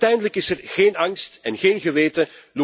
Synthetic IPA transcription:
tɛjndələkɪsɛrɣeːnɑŋstɛnɣeːnɣəʋeːtəlu

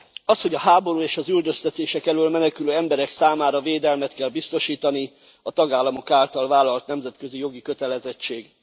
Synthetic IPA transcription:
ɒsho̞ɟɒɦaːbo̞ɾuːeːʃɒzyld̪øst̪ɛt̪eːʃɛkɛløːlmɛnɛkyløːɛmbɛɾɛksaːmaːɾɒveːd̪ɛlmɛt̪kɛlbist̪o̞ʃiːt̪ɒni | ɒt̪ɒɡaːlːɒmo̞kaːlt̪ɒlvaːlɒlt̪nɛmzɛt̪køzijo̞ɡikø̞t̪ɛlɛzɛt͡ʃːeːɡ

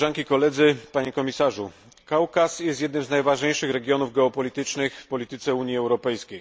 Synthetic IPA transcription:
ʐaŋkʲikɔlɛd̪zɘpaɲɛkɔmʲisaʐu | kawkasjɛst̪jɛd̪nɘmznajvaʐɲejʂɘxɾɛɡʲjɔnuvɡɛɔpɔlʲit̪ɘt͡ʂnɘxfpɔlʲit̪ɘt̪sɛuɲjiɛwɾɔpɛjskʲej

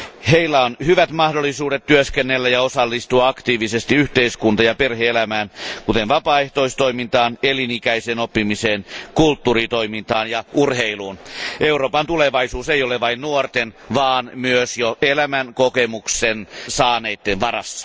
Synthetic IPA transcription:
heilːæonhyʋæt̪mɑhdolːˑisuːdet̪tyøskenːelːæjɑosɑlːist̪uɑɑkt̪iːʋisest̪iyht̪eiskunt̪ɑjɑperheelæmæːnkut̪enʋɑpɑːeht̪oist̪oimint̪ɑːnelinikæiseːnopːimiseːnkult̪ːurit̪oimint̪ɑːnjɑʔurheiluːnʔeuroːpɑnt̪uleʋɑisuːseijoleʋɑinnuort̪en | ʋɑːnmyøsjoelæmænkokemuksensɑːneit̪ːenʋɑrɑ̰sːɑ̥

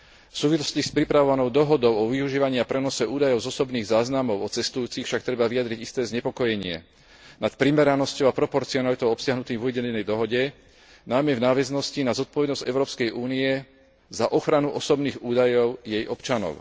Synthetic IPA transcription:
fsuːʋislɔ̥scispɾipɾaʋɔʋanɔʊd̪ɔɦɔd̪ɔʊɔʋiuʒiːʋaɲiapɾɛnɔsɛuːd̪ajɔʊzɔsɔbniːɣzaːznamɔʊɔt͡sɛst̪ujuːt͡sixfʃak̚t̪ɾɛbaʋijad̪ɾiɟist̪ɛːzɲɛpɔkɔjɛɲɪɛ̰ | nat̪pɾimɛɾanɔscɔʊapɾɔpɔɾt͡siɔnalit̪ɔʊɔpsɪaɦnut̪iːmvɔʋɛɟɛnɛnɛjd̪ɔɦɔɟɛ | najmɛvnaːʋɛznɔscinazɔt̪̚pɔʋɛd̪nɔzɟɛʊɾɔːpskɛjʔuːniɛ | zaʔɔxɾanuʔɔsɔbniːɣuːd̪ajɔʊjɛjʔɔpt͡ʃanɔ̰ʊ

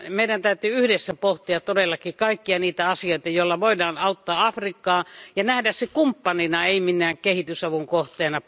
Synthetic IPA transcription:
meˑidænt̪æyt̪yːyhdesːæpoht̪iɑt̪t̪odelːɑkikɑikːiɑniːt̪æɑsioˑit̪ɑjoˑlːɑʋoˑidɑːnɑut̪ːɑːɑfrikːɑːjɑnæhdæssekumpːɑninɑeˑiminːˑæːŋkehit̪ysɑʋuŋkoht̪ˑeːnɑ

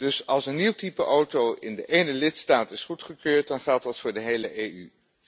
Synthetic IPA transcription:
d̥ɵsɑlˠsənːiwtipəʔowtowʔɪndəʔejnəlɪtstaːtɪsχutχəkøːɹt̚dɑnχɛlˠt̚dɑtfʊːɹdəɦejləʔejy

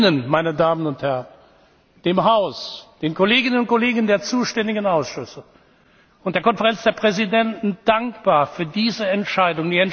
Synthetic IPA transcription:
nənmaɪnədaːmənʊnthɛʁən | d̥eːmɦaʊsd̥eːnkʰoleːɡɪnənʊnt̚koleːɡən̩deːɐt͡suːʃtɛndɪɡənaʊsʃʏsə | ʊnt̚d̥eːɐkʰɔnfɛʁɛnt͡sd̥eːɐpʁ̥ɛzidɛntn̩d̥aŋkb̥aːɐfyːɐdiːzəɛntʃaɪdʊŋndiːɛn

